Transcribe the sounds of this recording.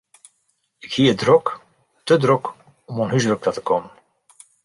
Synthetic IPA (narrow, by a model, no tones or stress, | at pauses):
ɪkhiːədrɔk | tədrɔk | ɔmɔnɦyzrək̚tatə̥koːmən